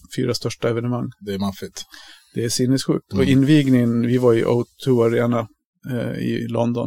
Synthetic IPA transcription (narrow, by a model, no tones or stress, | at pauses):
fy̰ːɾast̪œʂʈaɛvɛnəmaŋːd̪ɛmanfɪt̪d̪̥ɛæʂɪnːɛsɧʉ̟ːk̚t̪ɔɪnːviːɡnɪŋənvɪvaɾɪʔa̰ʊt̪ʰuːaɾeːna | ɪ̰lɔ̰nd̪ɔ̰n